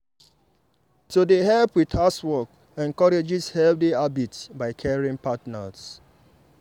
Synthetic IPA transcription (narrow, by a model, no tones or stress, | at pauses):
todeɦɛlpwiðaswɔk | ɛ̃nkɔɾed͡ʒishɛl̚diabitbaɪkʰɛɹĩŋpatnas